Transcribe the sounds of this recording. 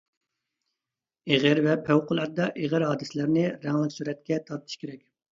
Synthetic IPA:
eʁɪɾvɛpʰæwqʊlˠɑɾd̪ɑʔeʁɪɾɦɑːd̪ɨsɪlæɾnɪɾɛŋlɪkʲsyɾɛt̪kʲɛt̪ʰɑɾt̪ʰɨ̥ʃkʲʰeɾɛkʲ

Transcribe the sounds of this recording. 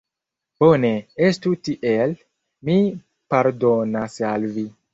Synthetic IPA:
b̥oneestutiʔel | mi | paɾdonasalvi

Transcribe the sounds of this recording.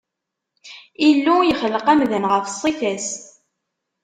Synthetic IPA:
ilːujəχələqæmðənʁəfəsˤːiθæs

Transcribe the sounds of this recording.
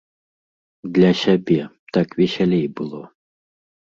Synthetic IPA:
d̪lʲasʲabʲɛ | t̪akvʲiɕʲalʲɛjbɨlˠɔ

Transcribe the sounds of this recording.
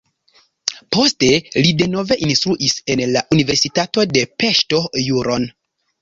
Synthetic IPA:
po̞ste̞lide̞no̞ve̞ʔinstɾuʔise̞nlaʔunive̞ɾsitato̞de̞pe̞ʃto̞juɾo̞n

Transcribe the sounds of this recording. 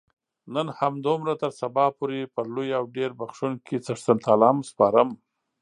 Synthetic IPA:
nənhamd̪omɾat̪əɾsabɑpoɾepəlojawɖeɾbaxʂunkʰet͡səʂt̪ant̪ʰalɑmspɑɾəm

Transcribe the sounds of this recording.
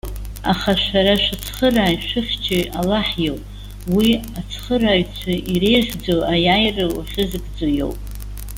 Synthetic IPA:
a̰χaʃʷaɾaʃat͡sʰχəraːjʃʷɨχʲt͡ʃʰɪalaħjowpʼ | wiat͡sʰχəraːɥt͡sʷʰaʔire̞jʒʲd͡zoajajrɨa̰χʲɪzɨɡʼd͡zojo̞̰wpʼ

